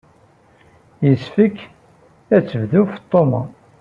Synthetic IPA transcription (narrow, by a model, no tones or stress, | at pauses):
jəsfikː | æt͡sːəvðuft̪ˤːomɑ̰